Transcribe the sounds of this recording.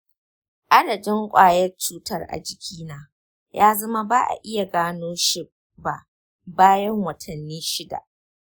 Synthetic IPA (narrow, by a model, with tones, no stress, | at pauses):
ʔa˦dɐ˨d͡ʒɪ˦ŋkʷʼaː˨jɐ˦rt͡ʃuː˦tɐ˦rʔa̰˨d͡ʒɪ˨kʲʰiː˦naː˦ | jaː˦zɐ˦ma˦baː˦ʔa̰˨ʔɪ˦ja˨ɡaː˦noː˦ʃɪ˨ | ba˨ʔ | baː˦jɐ˦ŋwɐ˨tʰɐ˨nːiː˦ʃɪ˦da̰˨ʔ